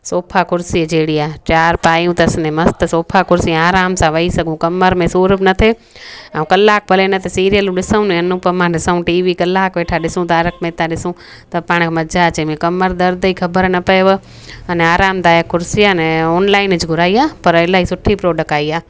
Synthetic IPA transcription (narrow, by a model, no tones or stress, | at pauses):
soːpʰakʊɾsid͡ʒeːɽiaːt͡ɕaːɾpaːjũt̪ɐɐsnemɐst̪soːpʰakʊɾsĩaːɾaːmsãʋɐisɐɡʱũkɐməɾmẽsuːɾəbnɐt̪ʰe | aũkɐlːaːk̚pʰɐlenɐt̪ʰesiːɾijəlũɗɪsəũnẽɐnũpɐmãːɗɪsəũʈiːʋikɐlːaːkʋeːʈʰaɗɪsũt̪aːɾəkmẽːt̪aɗɪsũ | t̪ɐpaːɽ̃mɐd͡ʒat͡ʃẽmẽkɐməɾd̪ɐɾd̪ikʰɐbəɾnɐpɐeʋə | ɐnɛaːɾaːmt̪aːjakʊɾsianɛoːnlaːɪnɪd͡ʒɡʱʊɾaːiaːpɐɾɐlaːisʊʈʰipɾoːɖək̚aːiaː